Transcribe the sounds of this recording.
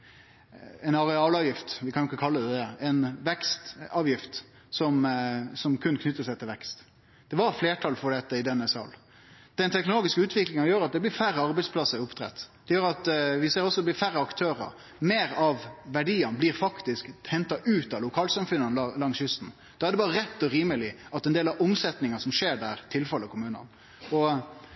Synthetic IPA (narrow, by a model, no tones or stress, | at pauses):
ɛɪnɑɾɛɑːlɑːʋjɪft̪ʋɪkʰɑnjʊɪkːəkʰɑlːəd̪ɛd̪ɛɛnʋɛkst̪ɑːʋjɪft̪ | sɔmsɔmkʰʉnːkʰnʏt̪ːəsæɪt̪ʰɪlʋɛkst̪ | d̪̥ɛʋɑɾfleːʈʰɑlfɔɖɛt̪ːəɪd̪ɛnːəsɑ̰l | d̪̥ɛnt̪ʰɛknʊloːɡɪskəʉːt̪ʰʋɪklɪŋɑjøːɾɑt̪̚d̪ɛblɪɾfæɾəɑɾbɛɪspʰlɑsəɾʊpt̪ʰɾɛ̰t̪ːd̪̥ɛjøːɾɑt̪ʋɪseːɾɔsːɔd̪ɛb̪lɪɾfæɾəɑkt̪ʰøːɾə̰ɾ | meːɾɑʋʋæɖiːɑnblɪɾfɑkt̪ɪskhɛnt̪ɑʔʉːt̪ɑlʊkʰɑːlsɑmfʉnɑnlɑŋsjʏst̪n̩ | d̪̥ɑhæɾɖ̪ɛbɑːɾəɾɛt̪ːɔɾiːməlɪʔɑt̪ɛnd̪eːlɑʊmsɛt̪nɪŋɑsɔmʂeːɖæːɾt̪ʰɪlfɛləɔkʰʊmʉːnɑ̰n | ɔ